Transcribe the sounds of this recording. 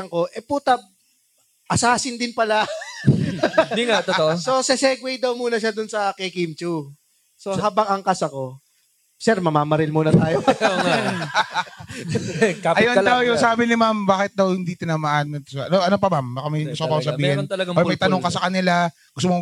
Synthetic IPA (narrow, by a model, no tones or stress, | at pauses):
ŋko̞ʔɛpuːt̪ab̚ | ʔɐsaːsɪnd̪ɪnpɐla | d̪iŋat̪ooʔososɛsɛɡwɛjd̪ɐwmuːnɐʃad̪ʊnsɐkɛkimt͡ʃu | soɦaːbɐŋɐŋkɐsɐko̞ | sɛɾmɐmaːmɐɾɪlmuːnɐt̪aːjooŋa | kaɐɪjonɐld̪ɐwjʊŋsaːbɪnɪmambaːkɪt̪̚d̪ɐwhɪnd̪iːt̪onɐmɐʔaːnɐt̪sɐʔɐnoʔɐnop̬ɐmambaːkamɐjɡʊst̪opɐkosɐbiːhɪnt̪ɐlɐɡɐojmɐjt̪ɐoŋkɐsɐkɐnɪla | ɡʊst̪omo